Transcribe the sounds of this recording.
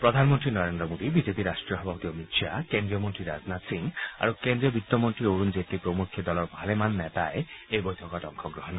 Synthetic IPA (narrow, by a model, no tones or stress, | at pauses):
pɾɔd̪ʱanmɔnt̪ɾinɔɾend̪ɾɔmod̪ibid͡ʑepiɾaʃʈɾiɔɦɔbʱabot̪iɔmit̪ʃakend̪ɾiɔmont̪ɾiɾa̰d͡znat̪siŋa̰ɾukend̪ɾiɔbʱit̪ːɔmont̪ɾioɾund͡ʑet̪ipɾomukʰːid̪ɔlɔɾbʱalemanːɛt̪aeejbojt̪ʰɔkɔʈɔŋkʰɔɡɾɔɦɔn